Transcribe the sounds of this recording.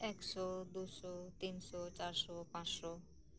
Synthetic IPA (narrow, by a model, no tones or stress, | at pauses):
ɛkʃɔd̪usɔt̪insɔt͡ɕaɾsɔpãsʃɔ